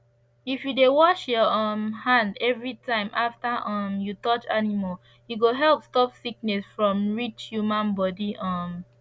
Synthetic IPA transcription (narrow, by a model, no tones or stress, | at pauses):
ifjudewɔʃjɔɔ̃nhãndɛvɹitãɪ̃mʔaftaʔɔ̃mjutɔt͡ʃa̰nimal | juɡoɦɛlpstɔpsik̚nɛsfɹɔ̃mɹit͡ʃhjumãnbɔdiʔɔ̃m